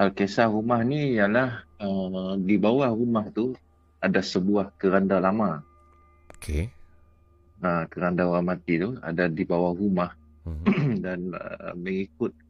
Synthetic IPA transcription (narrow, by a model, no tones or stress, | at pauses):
alkesahrumahnijalahədibawahrumaht̪u | adasəbuahkəɾandalama | okʰe | akəɾandauɾamat̪it̪ua̰dadibawahrumah | danə̰məŋikʊt̪̚